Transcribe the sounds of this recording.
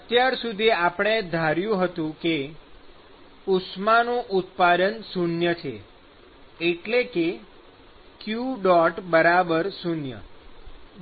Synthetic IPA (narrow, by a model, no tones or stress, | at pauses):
ət̪jaɾsud̪ʱiapəɳ̃ed̪ʱaɾjũɦət̪ũke | usmanũʔʊt̪̚pad̪ənsunjət͡ʃʰḛ | eʈleke | kjuɖɔʈbəɾabəɾsunjə̰